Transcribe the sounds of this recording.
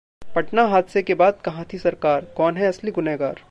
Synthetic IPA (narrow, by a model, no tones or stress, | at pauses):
pɐʈnaɦaːd̪sekebaːd̪̚kɐɦãt̪ʰisɐɾkaːɾkɔːnɦɛɐsliɡʊneːɡaːɾ